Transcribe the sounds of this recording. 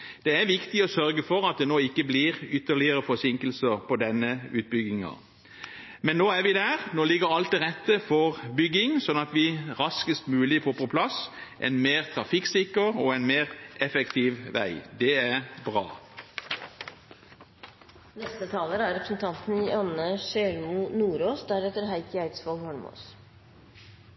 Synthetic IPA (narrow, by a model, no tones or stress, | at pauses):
d̪̥ɛæʋɪkt̪ɪɔsœɾɡəfɔʁɑt̪̚d̪ɛnoːɪkːəbliːʁʏt̪ːəɭɪəɾəfɔsɪŋkəlsəʁpʰɔd̪ɛnːəʉ̰ːt̪̚bʏɡɪŋɑ̰ | mɛnːoːæɾʋɪd̪æːʁnoːlɪɡəɾɑlt̪̚ɛʁɛt̪ːəfɔʁbʏɡːɪŋsɔnɑt̪ʋɪʁɑskəst̪mʉːlɪfoːpʰɔpʰlɑsʔɛ̰nmeːʁt̪ʰʁɑfɪksɪkəʁɔɛnmeːʁʔɛfɛkt̪ʰiːʋʋæ̰ɪd̪ɛæʁbʁɑ̰ː | nɛst̪ət̪ʰɑːləɾəæɾɛpɾəsn̩t̪ʰɑnt̪n̩ɪɑnəʃɛːlmunuːɾoːsd̪æɾɛt̪əɾɦæɪkəæɪt̪sfɔlhɔɳmo̰s